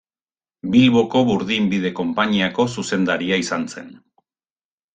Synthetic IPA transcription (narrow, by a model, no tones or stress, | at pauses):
bilβo̞koβuɾðimbið̞e̞ko̞mpaɲiako̞suse̞nd̪aɾiaisanse̞n